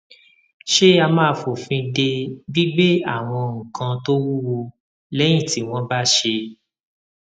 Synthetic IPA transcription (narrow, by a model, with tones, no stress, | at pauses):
ʃe˦a˧mãː˦˧fo˨fĩ˧de˧bi˦ɡ͡be˦a̰˦˨w̃ɔ̃˧ŋ̩̃˨kʰã˧to˦wu˦wo˧ | lɛ˦j̃ĩ˦˨ti˨˦w̃ɔ̃˦ba˦ʃe˧